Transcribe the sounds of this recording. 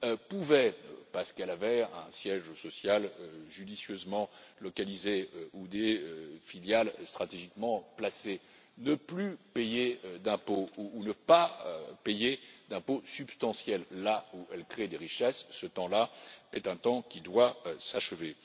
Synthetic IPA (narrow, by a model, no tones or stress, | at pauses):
puvɛpaʁsə̥kɛlavɛɛ̰̃sjɛʒsɔsjaløʒyd̪isjøzmɑ̃lɔkalizeøud̪eøfiljalst̪χat̪eʒikmɑ̃plase | nəplypejed̪ɛ̃pouːnəpapejed̪ɛ̃posypst̪ɑ̃sjɛlːauɛlkχed̪eʁiʃɛsːət̪ɑ̃laɛt̪ɛ̃t̪ɑ̃kʲid̪wasaʃəve